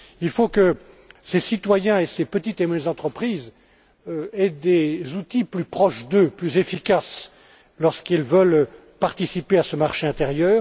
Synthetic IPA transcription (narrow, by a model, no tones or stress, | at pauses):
ilfokə | sesit̪wajɛ̃esepət̪it̪emɛɛzɑ̃t̪χəpχiz | øɛd̪ezut̪iplypχɔʃd̪øplyzefikas | lɔʁskilvəl | paʁt̪isipeasəmaʁʃeɛ̃t̪eʁjœːʁ